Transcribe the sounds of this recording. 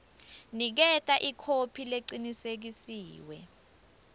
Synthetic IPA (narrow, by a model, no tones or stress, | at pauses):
nik̬ɛtʼaʔikʰopʰileǀinisek̬isiːwɛ